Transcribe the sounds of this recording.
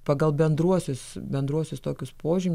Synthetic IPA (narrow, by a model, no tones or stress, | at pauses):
pɑɡɐlˠbʲɛnd̪ɾuɔsʲʊsbʲɛnd̪ɾuɔsʲʊst̪oːkʲʊspoːʒʲɪmʲ